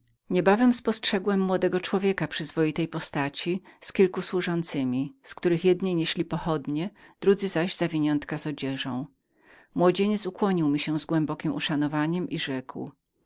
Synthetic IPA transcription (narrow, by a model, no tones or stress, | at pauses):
ɲɛbavɛmspɔstʂɛɡwɛmːwɔd̪ɛɡɔt͡ʂwɔvʲjɛkapʂɘzvɔjit̪ɛjpɔst̪at͡ɕiskʲilkuswuʐɔnt̪sɘmʲiskt̪uɾɘxjɛd̪ɲejɲɛɕlʲipɔxɔd̪ɲɛd̪̥ɾud̪zɘzaʑzavʲiɲɔnt̪kazɔd͡ʑɛʐɔ̃w̃ | mwɔd͡ʑeɲɛt̪sukwɔɲiwmʲiɕɛ̃zɡwɛmbɔkʲimṵʂanɔvaɲɛmʔiʐɛkw